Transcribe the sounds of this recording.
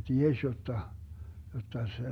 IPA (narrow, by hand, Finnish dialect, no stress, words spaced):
tiesʲ jotːɑ jotːɑ se